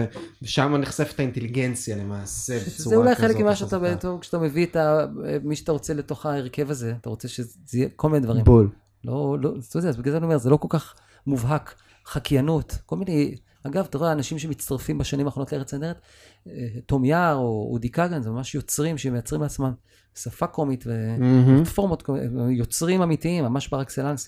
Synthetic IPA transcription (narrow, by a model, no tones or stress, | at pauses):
eveʃamaniχseftainteliɡent͡sjalemaːsebsuzeulaje̞lekmimaʃeat̪abeet̪okʃeat̪amevietamiʃeataʁot͡sele̞to̞χaeʁke̞vazeat̪aʁo̞t͡se̞ʃezejekolmined̪vaʁimbul | lolotudeazbiɡlalaniome̞ʁzelo̞ko̞lkaχ | muvɦak | χakjanutko̞lminej | aɡavtaʁoeːnaʃimʃemit͡st̪aʁfimbeʃanimaːχonotleet͡sendeet̪ | to̞mjaʁoo̰dikaɡanzemamaʃjo̞t͡sʁimʃeemejat͡sʁimleat͡smam | safakomitveatfo̞ʁmotkjot͡sʁimamitiimːamaʃbaʁekselans